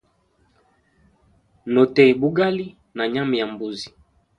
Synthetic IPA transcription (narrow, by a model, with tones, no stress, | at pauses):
no˨tɛ˨bu˦ɡa˦li˦ | na˨ɲa˦mi˨ja˨mbu˨zi̥˨